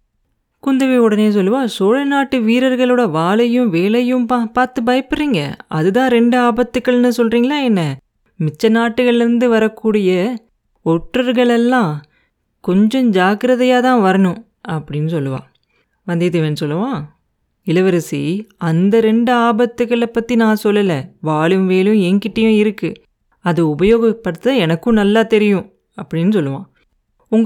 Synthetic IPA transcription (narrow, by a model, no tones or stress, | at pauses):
kʊnd̪ɐʋiɔɽɐneːs̬ɔlːɯʋaːsoːɻɐnaːʈːɯʋiːɾɐɾɣɐɭoːɽɐʋaːɭɐjɯ̃ʋeːɭɐjɯ̃mpapaːɾt̪ɯbɐjɐpːɯriːŋɡɐ̰ɐðɯt̪ãːɾɛɳɖɯaːbɐt̪ːɯkːɐɭnɯsɔlriːŋɡɐɭaːɛnːɐ | mɪt͡ʃːɐnaːʈːɯɣɐɭɪɾɯnd̪ɯʋɐɾɐkːuːɽɪjɐ | ɔʈrɐɾɣɐɭɛlːãː | kɔɲd͡ʒɔ̃d͡ʒaːkɯɾɐðɐjaːt̪ãːʋɐɾɐnʊ̃ | ɐpːɐɽɪnːɯsɔlːɯʋã̰ː | ʋɐnd̪it̪ɐʋeːnːɯsɔlːɯʋãː | ɪlɐʋɐɾɐsiɐnd̪ɐɾɛɳɖɯaːbɐt̪ːɯɣɐɭɐpːɐt̪ːinãːsɔlːɐlɛʋaːɭɯmʋeːlɯ̃ɛŋkɪʈːɐjʊ̃ɪɾɯkːɯ | ɐðɯʊbɐjoːɣɐpːɐɽɯt̪ːɐaɛnɐkːʊ̃nɐlːaːt̪ɛɾɪjʊ̃ | ɐpːɐɽɪnːɯsɔlːɯʋã̰ː | ʊŋɡ